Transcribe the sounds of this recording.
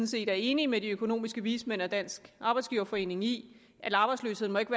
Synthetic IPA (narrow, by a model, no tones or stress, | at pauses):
n̩se̝̰ːd̥æɐe̝ːnimediøkʰo̝no̝̰ːmisɡ̥əʋiːsmen̰æd̥æn̰sɡ̥ʔɑ̈ːb̥ɑɪsɡ̥iːʊɐfɒ̽e̝ːne̝ŋi | ʔælɑ̈ːb̥ɑ̈ɪslø̰ːshe̝ðˠnmɒ̽eɡ̥ʋæ